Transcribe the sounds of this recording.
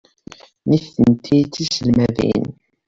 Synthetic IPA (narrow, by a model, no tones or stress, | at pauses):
niθənt̪ʰit͡s̪ːisəlmævḭn